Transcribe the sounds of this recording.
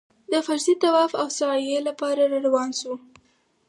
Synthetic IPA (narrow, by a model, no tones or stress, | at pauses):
d̪əfaɾzit̪awɑfawsɑjelapɑɾaɾaɾawɑnʃu